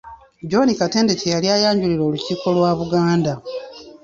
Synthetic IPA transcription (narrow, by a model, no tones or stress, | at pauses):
ɟo̞nikate̞ːnde̞cejaljajaːɲɟuliɾo̞ːluciːko̞lwaːβuɡaːnda